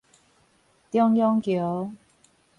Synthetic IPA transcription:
t̪jɔ˥ŋjɔ˥ŋkjɔ˨˦

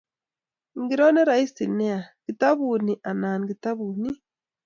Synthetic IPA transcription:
ŋɡi˨ɾo˦ne˦ɾa˨i˦si˨ne˦a˨ɡ̥i˨ta˦βuː˨ni˨ʔa˨naː˨n˨ɡi˨ta˦βu˨ni˦

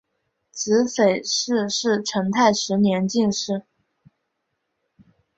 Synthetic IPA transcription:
t͡sɹ̩˧˥fe˨˩ɪʂɻ̩˥˧ʂɻ̩˥˩ʈ͡ʂʰə˧˥ŋt̪ʰa˥˩ɪʂɻ̩˧˥njɛ˧˥nt͡ɕi˥˧nʂɻ̩˥˩

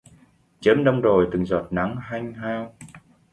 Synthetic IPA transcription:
t͡ɕəː˨˦mɗə˧wŋ͡mzo˨˩jt̪ɨ˨˩ŋzɔ˨˩t̚na˨˦ŋha˧jŋ̟ɦaː˧w

